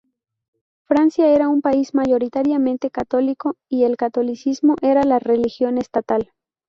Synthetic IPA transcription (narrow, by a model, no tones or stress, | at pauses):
fɾansjae̞ɾaumpaizmaʝo̞ɾit̪aɾjamẽ̞nt̪e̞kat̪o̞liko̞ie̞lkat̪o̞lisizmo̞ʔe̞ɾalare̞lixjo̞nest̪at̪al